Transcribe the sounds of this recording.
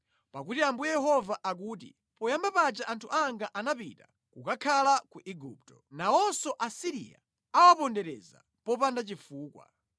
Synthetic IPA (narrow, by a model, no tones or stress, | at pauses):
pakutiambujɛjɛɦɔvaʔak̬uːtḭ | pɔjambapad͡ʒaʔantʰuʔaŋɡaʔanapḭta | kukakʰalakuʔiɡṵp̚tɔ̥nawɔnsɔʔasiɾḭa̰ | awapɔndɛɾɛza̰ | pɔpandat͡ʃifuːkwa̰